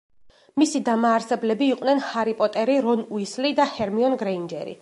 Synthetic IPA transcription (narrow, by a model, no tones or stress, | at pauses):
misid̪amaːɾsɛblɛbiːqʼnɛnhaɾipʼɔt̪ʼɛɾiɾɔnuislid̪ahɛɾmiɔnɡɾɛind͡ʒɛ̰ɾḭ